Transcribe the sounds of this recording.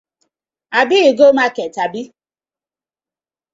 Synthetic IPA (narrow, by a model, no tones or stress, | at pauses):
abiiɡomakɛtabi